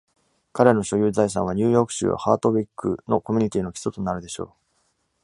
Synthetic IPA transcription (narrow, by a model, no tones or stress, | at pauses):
kaɾe̞no̞ɕo̞jɯːzais̬ã̰ɰ̃β̞aɲ̟ʲɨːjo̞ːkɯ̟̥ɕɨ̰ːβa̰haːt̪o̞bʲikːɯ̰no̞ko̞mʲi̟ɲ̟it̪ʲiːno̞çʲi̥tot̪onaɾɯ̟d̪e̞ɕo̞̰ː